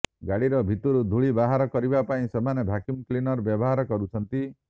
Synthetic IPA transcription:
ɡaɽiɾɔbʱit̪uɾud̪ʱuɭibaɦaɾɔkɔɾibapaĩsɔmanebʱakimklinɔɾbjɔbɔɦaɾɔkɔɾut͡ʃʰɔnt̪i

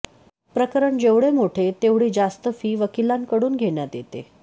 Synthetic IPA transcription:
pɾəkəɾəɳd͡ʑeʋɽemoʈʰet̪eʋɽiːd͡zast̪əfiːʋəkilaŋkəɽuːnɡʱeɳjat̪jet̪ḛ

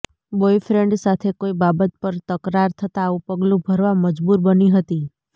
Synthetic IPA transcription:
bojfɾeɳɖsat̪ʰekoibabət̪̚pəɾt̪əkɾaɾt̪ʰət̪aːʋũpəɡlũbʱəɾʋaməd͡ʒbuɾbəniɦət̪i

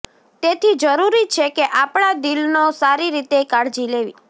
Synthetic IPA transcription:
t̪et̪ʰid͡ʒəɾuɾit͡ʃʰekeʔapɳ̃ad̪ilnosaɾiɾit̪ekaɽd͡ʒileʋḭ

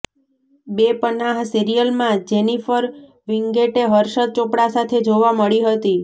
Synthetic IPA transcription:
bepənaɦsiɾijəlmãd͡ʒenifəɾ | ʋiŋɡeʈeɦəɾʃəd̪̚t͡ʃõpɽasat̪ʰed͡ʒoʋaməɭiɦət̪i

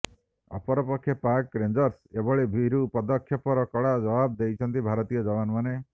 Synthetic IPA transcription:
ɔ̰pɔɾɔpɔkʰːjɔpaɾkɾend͡ʒɔɾsebɔɭebʱiɾupɔd̪ɔkʰjɔpɔɾɔkɔɽad͡ʒɔbab̚d̪ejt͡ʃʰɔnt̪ibʱaɾɔt̪ijɔd͡ʒɔbanmane

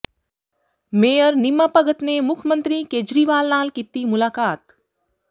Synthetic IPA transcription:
meːjəɾnimːaːpɐɡət̪nemʊkʰjəmənt̪ɾikeːd͡ʒɾiːʋaːlnaːlkit̪ːiːmulaːkaːt̪

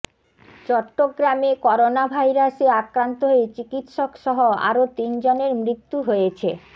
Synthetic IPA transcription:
t͡ɕɔʈːoɡɾamekɔɾonabʱajɾaseakɾant̪oɦoet͡ɕikit̪ʃokʃɔɦoa̰ɾot̪ind͡ʑoneɾmɾit̪ːuɦojet͡ɕʰe

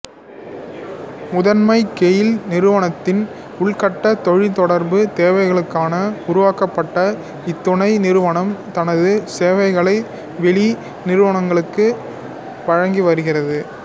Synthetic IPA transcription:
mʊðɐnmɐɪkɛjɪlnɪɾɯʋɐɳɐt̪ːɪn | ʊɭkɐʈːɐt̪ɔɻɪt̪ɔɽɐɾbɯt̪eːʋɐɪɣɐɭɯkːaːnɐʊɾʊʋaːkɐpːɐʈːɐ | ɪt̪ːʊɳɐɪnɪɾɯʋɐɳɐmt̪ɐnɐðɯseːʋɐɪɣɐɭɐɪ | ʋɛɭi | nɪɾɯʋɐɳɐŋɡɐɭɯkːɯ | ʋɐɻɐŋɡiʋɐɾɯɣɪrɐðɯ

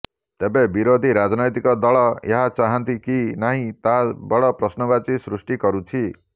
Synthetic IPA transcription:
t̪ebebiɾod̪ʱiɾad͡ʒnɔjt̪ikɔd̪ɔɭɔḛɦat͡ʃaɦant̪ikinaɦĩt̪abɔɽɔpɾɔsnɔbat͡ʃisɾusʈikɔɾut͡ʃʰi

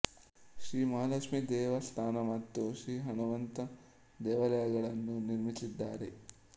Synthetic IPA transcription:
ʃɾiːmaːlɐkʂmid̪ɛːʋɐst̪ʰaːnɐmɐt̪ːuʃɾiːɦɐnuʋɐnt̪ɐ | d̪ɛːʋɐlɐjɐɡɐɭɐnːuniɾmisid̪ːaːɾe

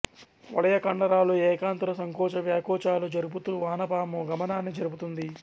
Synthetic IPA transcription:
ʋɐɽɐjɐkɐɳɖɐɾaːluɛːkaːnt̪ɾɐsɐŋkɔːt͡ʃɐʋjaːkɔːt͡ʃaːlud͡ʒɐɾubut̪uːʋaːnɐpaːmuɡɐmɐnaːnːid͡ʒɐɾubut̪und̪i

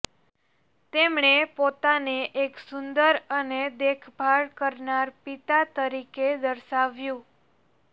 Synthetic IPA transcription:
t̪emɳepot̪aneʔeksund̪əɾəned̪ekʰbʱaɭkəɾnaɾpit̪at̪əɾiked̪əɾʃaʋjũ

